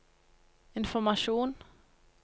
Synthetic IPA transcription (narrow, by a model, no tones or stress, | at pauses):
ɪnfɔɾmaʂuːn